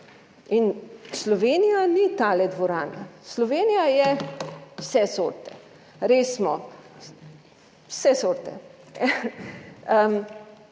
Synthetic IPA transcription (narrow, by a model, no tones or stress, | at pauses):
inslɔʋeːnijanit̪aːlɛd̪ʋɔɾaːna̰slɔʋeːnijajɛ | wsɛsoːɾt̪ɛ | ɾeːsmɔ | wsɛsoːɾt̪ɛ̰ | ə